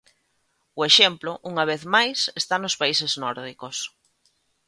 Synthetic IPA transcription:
ʊeʃemplʊʔuŋɐβ̞eθmajsest̪anospaiseznɔɾðikos

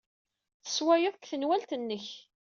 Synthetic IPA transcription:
θə̥swæjʊðkθənwælt̪ənːəç

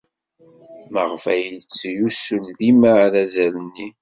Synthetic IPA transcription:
məʁfæjət͡sːjusulðimaɾæzælənːi

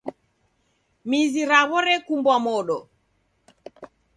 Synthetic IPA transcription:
miziɾaβɔɾɛkumbwamɔɗɔ

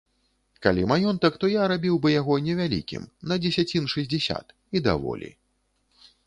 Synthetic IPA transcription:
kalʲimajɔnt̪ɐkt̪ɔjaɾabʲiwbɨjaɣɔnʲɛvʲalʲḭkʲḭmnɐd͡zʲɛsʲat͡sʲinʂɨzʲd͡zʲɛsʲa̰t̪ | id̪a̰vɔ̰lʲḭ

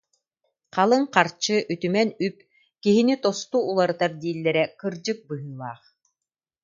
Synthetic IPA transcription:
qalˠɯŋqaɾt͡ɕɯʔyt̪ymɛnyp̚ | kiɦinit̪ɔst̪uːlˠaɾɯt̪aɾd̪iːlːɛɾɛkɯɾd͡ʑɯk̚bɯɦɯlˠaːχ

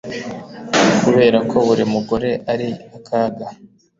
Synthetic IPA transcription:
kuβe̞ːɾakʰo̞βuɾimuɡo̞ɾe̞ʔaɾiakʰaːɡa

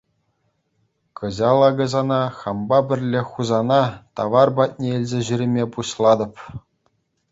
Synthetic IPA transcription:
kɤ̆ʑɑlˠɑɡɤ̆zɑnɑχɑmbɑbʲɘ̆rʲlʲeχuzɑnɑt̪ɑʋɑrbɑt̪̚ʲnʲeelʲzʲeʑyɾʲĕmʲepuɕlˠɑd̪ɤ̆p

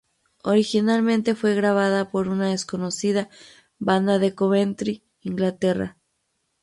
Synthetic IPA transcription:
o̞ɾixinalmẽ̞nt̪e̞fwe̞ɣɾaβ̞aðapo̞ɾunaðesko̞no̞siða | βand̪aðe̞koβent̪ɾi | iŋɡlat̪e̞ra̰

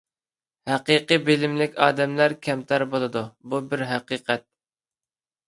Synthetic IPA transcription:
hæqiqɨbɪlɪmlɪkʲɑ̰ːd̪ɛmlæɾkʲʰɛmt̪ʰɑɾbolˠɨd̪ububɪɾɦæqiːqʰɛt̪̚

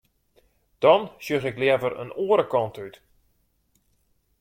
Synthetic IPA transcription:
d̥ɔnsøɣɪklɛɛvəɾə̰noːəɾəkɔntyt

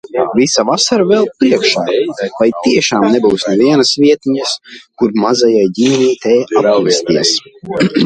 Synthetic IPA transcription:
visavasaɾavɛlˠpɾiɛkʃaːvajt̪iɛʃaːmnɛbuːsnɛviɛnasvʲiɛt̪iɲaskuɾmazajajɟimɛniːt̪ɛavɛsʲt̪iɛs

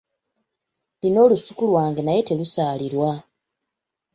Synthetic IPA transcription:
lino̞ːlusukulwaːŋɡenaje̞te̞lusaːliɾwa

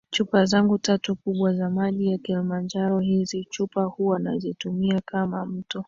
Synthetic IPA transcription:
t͡ʃupazaŋɡutatukuɓwazamaʄijakilimand͡ʒaɾɔhizit͡ʃupahuwana̰zitumiakamam̩tɔ

